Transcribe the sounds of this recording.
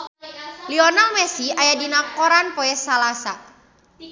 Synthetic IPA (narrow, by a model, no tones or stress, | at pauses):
liɔnalmɛsiajadinakɔɾanpɔɛsalasa